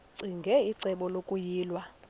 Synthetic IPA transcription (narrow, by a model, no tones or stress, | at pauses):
ǀiŋɡʱɛiǀɛɓɔlokʼujiːlwa